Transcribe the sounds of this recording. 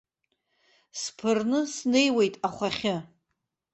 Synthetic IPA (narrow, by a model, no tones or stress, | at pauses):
spʰɨrnɨsne̞jwe̞jtʼaχʷaχʲɪ